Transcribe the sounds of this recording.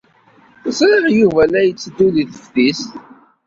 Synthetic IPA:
θəsˤɾiʁjuvælæjət͡sːəd̪ːuðiθə̥fθist

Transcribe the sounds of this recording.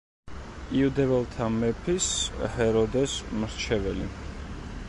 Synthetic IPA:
iud̪ɛvɛlˠt̪ʰamɛpʰishɛɾɔd̪ɛsmɾt͡ʃʰɛvɛli

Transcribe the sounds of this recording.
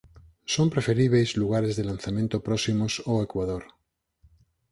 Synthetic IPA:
sompɾefeɾiβ̞ejzluɣ̞aɾezðelanθamẽnt̪opɾosimosoekwaðoɾ

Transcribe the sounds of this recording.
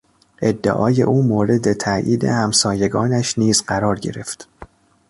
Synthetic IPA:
ʔe̞d̪ːḛʔɒ̰ːje̞̰ʔuːmoːɾe̞d̪e̞t̪ʰæʔḭːd̪e̞̰hæmsɒːje̞ɡɒːnæʃniːzɢæɾɒːɾɟe̞̰ɾe̞ft̪

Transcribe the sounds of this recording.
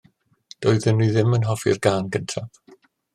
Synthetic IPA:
d̥ɔɨðɪniðɪmənɦɔvɪ̰rɡaːnɡəntʰav̥

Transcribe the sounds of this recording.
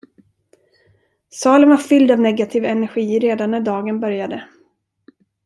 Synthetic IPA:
sɑːlənvaɾfʏld̪avnɛɡat̪ʰiːvɛnɛɾɧiːɾeːd̪anːæɖɑːɡənbœɾjad̪ə

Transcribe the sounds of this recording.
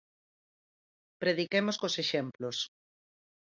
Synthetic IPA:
pɾeð̞ikemoskoseʃemplos

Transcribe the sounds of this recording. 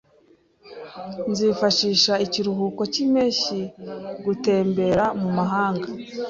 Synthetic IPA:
nziːfaʃiːʃaiciɾuɦuːko̞cimeːʃiɡute̞ːmbe̞ɾamumaɦaːŋɡa

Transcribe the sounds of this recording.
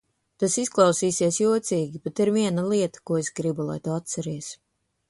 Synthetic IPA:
t̪asisklˠɑwsiːsiɛsjuɔt̪siːɡʲibet̪iɾviɛnalˠiɛt̪ḁkuɔesɡɾibulˠa̰jt̪uat̪saɾiɛs

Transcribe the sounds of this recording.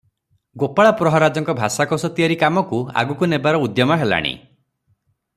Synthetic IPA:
ɡopaɭapɾɔɦɔɾad͡ʒɔŋkɔbʱasakɔsɔt̪iaɾikamɔkua̰ɡukunebaɾɔud̪jɔmɔɦela̰ɽ̃ḭ

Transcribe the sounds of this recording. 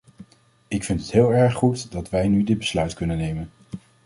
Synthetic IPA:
ɪkfɪntɦətɦɪːlˠɛɹχutdɑtʋɛjnydɪd̚bəslœɥtkɵnənejmən

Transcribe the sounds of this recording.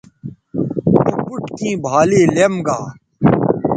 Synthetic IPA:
upuʈkĩːbʱaːleːlemɡaː

